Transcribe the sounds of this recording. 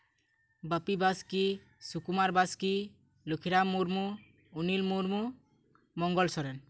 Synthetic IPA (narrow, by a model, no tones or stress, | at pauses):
bapibaski | sukumaɾbaski | lokʰiɾamːuɾmu | unilmuɾmu | mɔŋɡɔlsɔɾɛn